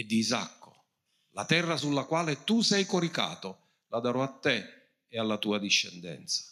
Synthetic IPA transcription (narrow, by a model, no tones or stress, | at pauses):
ɛd̪ːiza̰kːo | la̰t̪ɛrːasulːakwaːlet̪usɛjkoɾika̰ːt̪o | lad̪aɾɔat̪ːɛ | ealːat̪uːad̪iʃːɛ̰nd̪ɛ̰nt̪sḁ